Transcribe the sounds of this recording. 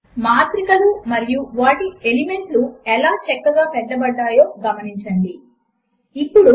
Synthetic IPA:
maːt̪ɾikɐlumɐɾijuʋaːʈielime̞ɳʈluɛlaːt͡ʃɛkːɐɡaːpɛɖːɐbɐɖːaːjoːɡɐmɐniɲt͡ʃɐɳɖi | ipːuɽu

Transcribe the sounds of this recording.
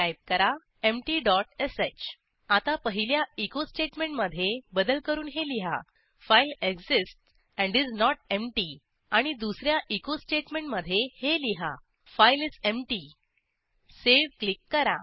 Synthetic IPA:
ajb̚kəɾa | emʈiɖɔʈeset͡ɕ | at̪apəɦiljaikosʈeʈmẽɳʈməd̪ʱjebəd̪əlkəɾuːnɦeliɦa̰ | fajileɡsisʈ | ɛ̃ɳɖid͡znɔʈemʈi | aɽ̃id̪usɾjaʔikosʈeʈmeɳʈməd̪ʱːjeheliɦa̰ | fajlid͡zemʈi | seʋklikːəɾa̰

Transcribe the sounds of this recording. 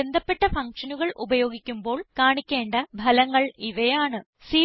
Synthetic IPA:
end̪ʱɐpːe̞ʈːɐfɐŋkʂɐnuɣɐɭʔubɐjo̞ːɡikʲːumbo̞ːɭkaːɳikʲːeːɳɖɐbʱɐlɐŋːɐɭiʋɐjaːɳɨ | siː

